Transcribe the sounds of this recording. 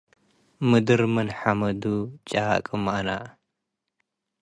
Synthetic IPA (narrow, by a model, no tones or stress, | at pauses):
mɨd̪ɨɾmɨnħamɐd̪ut͡ʃʼa̰kʼɨmaʔna̰